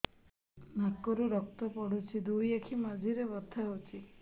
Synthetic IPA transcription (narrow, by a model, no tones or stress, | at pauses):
makɔɾuɾɔk̚t̪ɔpɔɽ̤ut͡ʃʰid̪ujakʰimad͡ʒʱiɾebɔt̪ʰːaɦot͡ʃʰi